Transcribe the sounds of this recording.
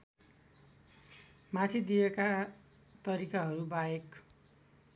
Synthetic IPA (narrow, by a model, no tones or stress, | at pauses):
mat̪ʰid̪ijeka | t̪ʌɾikaɦʌɾubaek